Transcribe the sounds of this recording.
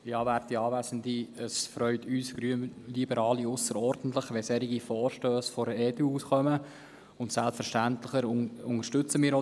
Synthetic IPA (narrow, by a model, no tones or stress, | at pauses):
ɪɑːværtːiɑːvæːsəndiəsfɾœʏtʰyːsɡɾylibəɾɑːliʊsəɾɔɾd̥n̩t̪ləχʋɛsɛɾiɡifɔːɾʃtøːsfɔɾəɛːduuːsχœmə | ʊntsælpfəɾʃtænt̪ləχəɾʊʊŋəʃtɵt͡səmiːɾo